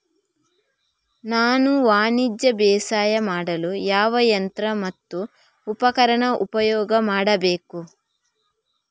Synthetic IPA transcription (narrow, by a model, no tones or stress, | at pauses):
naːnuʋaːnid͡ʒjɐbɛːsaːjɐmaːɽɐlujaːʋɐjɐnt̪ɾɐmɐt̪ːuː | pɐkɐɾɐɳɐʔupɐjɔːɡɐmaːɽɐbeːku